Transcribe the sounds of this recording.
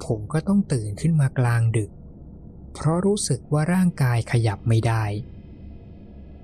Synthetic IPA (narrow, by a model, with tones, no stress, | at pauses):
pʰo˩˦mkɔː˥˩t̪ɔ˥˩ŋt̪ɯː˨˩nkʰɯ˥˩nmaː˧klaː˧ŋdɯ˨˩k̚ | pʰɾɔ˦˥ɾuː˦˥sɯ˨˩k̚waː˥˩ɾaː˥˩ŋkaː˧jkʰa˧ja˨˩p̚ma˥˩jdaː˥˩j